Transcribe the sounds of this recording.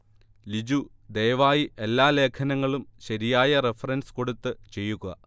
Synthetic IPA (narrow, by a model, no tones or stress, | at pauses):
lid͡ʑu | d̪e̞ːʋaːjiʔe̞lːaːle̞ːkʰɐnɐŋːɐɭumɕɐɾijaːjɐrefɐrɐnsko̞ɽut̪ːɨt͡ɕe̞jːuɣɐ̰